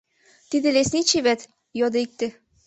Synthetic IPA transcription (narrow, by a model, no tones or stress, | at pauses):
t̪id̪ɘ̆lesnit͡ɕiβæt̪ | jod̪ek̚t̪ɘ̆